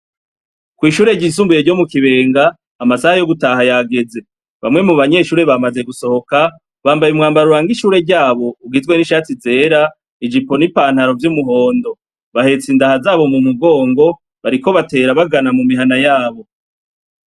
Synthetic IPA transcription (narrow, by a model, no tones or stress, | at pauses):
kwiːʃuːɾe̞ɟiːs̬uːmbujeɾɟo̞mukiβe̞ːŋɡaː | masahajo̞ɡutaɦajaɡe̞ze̞ | βa̰mŋe̞muβaɲe̞ʃuːɾe̞βamaze̞ɡuso̞ho̞ka | βaːmbajumŋaːmbaɾuɾaːŋɡiʃuːɾe̞ɾɟaːβo̞uɡizɡwe̞niʃaːt͡size̞ːɾa | id͡ʒipo̞nipaːn̥haɾo̞vjumuɦo̞ːndo̞ | βahe̞t͡sindahazaːβo̞mumuɡo̞ːŋɡo̞ | βaɾiko̞βate̞ːɾaβaɡanamumiɦanajaːβo̞